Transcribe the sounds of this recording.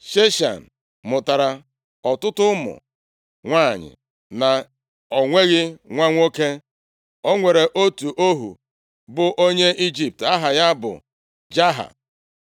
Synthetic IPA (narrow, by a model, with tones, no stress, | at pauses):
ʃe˦ʃa̰˨n̩˨ | mʊ˨ta˨ɾa˨ | ɔ˨tʊ˦tʊ˦mʊ̰˨ | ŋʷaː˦˨ɲɪ̰˨ | na˨ | ɔ˨ŋʷe˦ɣɪ˦ŋʷa˦ŋʷo˦ke˦ | o˦ŋʷe˨ɾe˨ʔo˦tu˨ʔo˦ɦṵ˨ | bʊ˨ʔo˦ɲe˦i˦d͡ʒi˨p̚ta˦ɦa˨ja˦bʊ̰˨ | d͡ʒa˦ɦa̰˨